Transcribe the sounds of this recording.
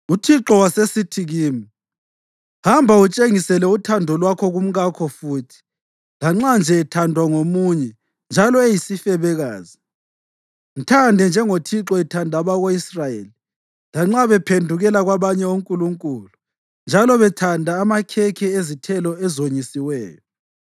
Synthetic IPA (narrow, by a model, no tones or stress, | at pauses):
utʰiǁɔwasesitʰiɣiːmi | hambʱaut͡ʃʼeŋisɛlɛutʰandʱɔlwakʰɔɣum̩ɣakʰɔfuːtʰi̥ | laŋ͡ǁand͡ʒʱɛːtʰandʱwaŋomuɲɛ | nd͡ʒʱalɔejisifɛβɛɣaːzi | n̩tʰandʱɛnd͡ʒʱɛŋotʰiǁɔɛtʰandʱaβaɣoisrajeli | laŋ͡ǁaβɛpʰendʱuɣɛlaɣwaβaɲɛuŋkʼuluŋkʼulu | nd͡ʒʱalɔβɛtʰandʱaːmakʰɛkʰɛezitʰɛlɔɛzoɲisiwɛːjɔ